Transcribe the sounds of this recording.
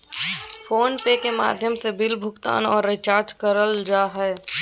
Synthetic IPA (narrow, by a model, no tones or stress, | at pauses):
foːnpekema̰ːd̪ʱjəmsebɪlbʱʊkt̪a̰ːnɔːɾːɪt͡ʃaːɾd͡ʒkəɾəld͡ʒaːɦɛː